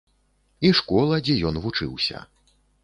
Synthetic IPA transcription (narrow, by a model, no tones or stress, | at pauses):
iʂkɔlˠɐd͡zʲɛjɔnvut͡ʂɨ̰wsʲɐ̰